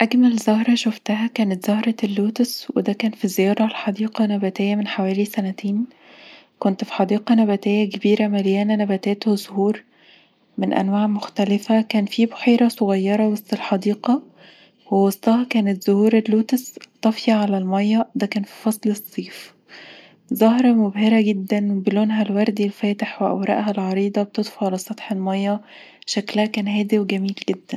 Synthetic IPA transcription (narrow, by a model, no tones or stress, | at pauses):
ʔæɡmælzohɾˤɑʃoft̪æhækæːnæt̪z̥ɑhɾˤɑlːoːt̪eswed̪ækæːnfizejɑːɾˤɑlħɑd̪iːqɑnæbæt̪ejːæmenħawæːlisænæt̪eːn | kont̪fi̥ħɑd̪iːqɑnæbæt̪ejːækebiːɾæmæljæːnænæbæt̪eːt̪hozohuːɾ | menʔæ̰nwaːʕmoxt̪ælɪfækæːnfiboħeːɾˤɑsˤoɣɑjːɑɾˤɑwɑst̪elħɑd̪iːqɑ | wewɑsˤt̪ˤɑɦɑkæːnet̪z̥ohuːɾelːuːt̪est̪ˤːɑfjɑʕalælmɑjːɑd̪ækæːnfi̥fɑsˤlesˤːiːf | zɑɦɾˤɑmobheɾæɡed̪ːænbeloːnɦælwɑɾˤd̪ilfæːt̪eħweʔæ̰wɾˤɑ̰ʔɦælʕɑɾiːd̪ˤɑbet̪ed̪ˤfɑʕalæsˤɑt̪ħelmɑjːɑ | ʃæklæhækæːnhæːd̪iwɡæmiːlɡed̪ːæn